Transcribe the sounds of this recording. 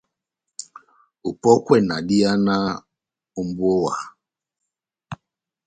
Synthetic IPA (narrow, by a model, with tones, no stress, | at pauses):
u˨pɔ˦kwɛ˦na˨ɗi˦a˦na˦ | u˦mbwɔ˦wa˨